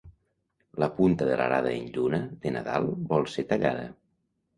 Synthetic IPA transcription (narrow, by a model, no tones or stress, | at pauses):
ləpunt̪əðələɾaðəenʎunəðənaða̰lˠbɔlˠset̪əʎaðə̰